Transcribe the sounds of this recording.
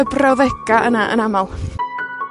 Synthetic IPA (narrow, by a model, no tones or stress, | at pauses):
əbrawðɛɡaʔənaʔə̰namalˠ